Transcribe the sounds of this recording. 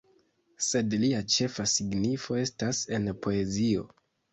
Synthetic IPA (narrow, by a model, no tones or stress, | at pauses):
se̞dliat͡ʃe̞fasiɡnifo̞e̞stase̞npʰo̞e̞zio̞̰